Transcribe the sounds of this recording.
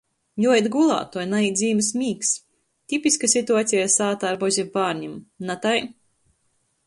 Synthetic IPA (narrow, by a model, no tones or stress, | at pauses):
juɔjet̪ɡulˠa̰ːt̪uɔjnaid̪zʲiːmɨsmʲiːks | t̪ʲipʲiskasʲit̪uaːt̪sʲijasaːt̪aːɾbɔzʲipaːɾɲʲimnat̪aj